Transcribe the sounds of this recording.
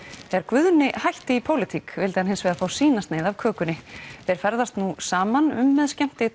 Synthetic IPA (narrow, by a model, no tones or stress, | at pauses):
θɛɛɾkvʏðnɪhajht̪ɪipʰowlɪt̪ʰikvɪlt̪ɪhanɪnsvɛːðafaːwsiːnast̪neːjðavkʰœːkʏnɪθɛɾ̥fɛɾðast̪nusaːmanʏ̰mːɛðscɛm̥t̪ɪ